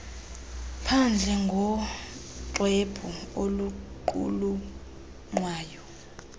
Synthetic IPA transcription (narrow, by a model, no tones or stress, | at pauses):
pʰand͡ɮʱɛŋɡʱɔ | ǃwɛb̥ʰʱɔoluǃṵlu | ŋwaːjɔ